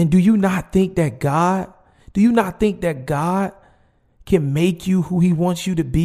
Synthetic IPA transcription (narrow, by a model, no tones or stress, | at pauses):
ɨ̃ndɨjɨnət̪̚θɪ̃ŋk̚ðɨt̚ɡ̥ɑd̥ | d̥ɨjɨnət̪̚θɪ̃ŋk̚ðɨt̚ɡ̥ɑd̥̚ | kʰɨ̃nmeɪkʰjɨhuiwɑ̃ntsjɨɾɨbi